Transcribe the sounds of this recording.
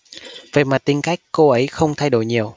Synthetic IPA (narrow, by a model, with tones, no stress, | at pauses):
və̰˧˨jmaː˨˩t̪i˧nka˦˥jk̟̚ko˧ʔə˨˦jxə˧wŋ͡mt̪ʰa˧jɗo̰˧˩jɲi˨˩əw